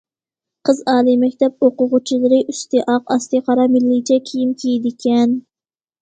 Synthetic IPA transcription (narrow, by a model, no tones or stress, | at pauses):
qʰəzɑːlˠɨmɛkʲt̪ɛp̚oqʊʁʊt͡ʃʰilˠɨɾɪʔyst̪ɨʔɑqɑst̪ɨqʰɑɾɑmɪlːɪt͡ʃʰɛkʲʰijimkʲʰejid̪ɪkʲʰɛn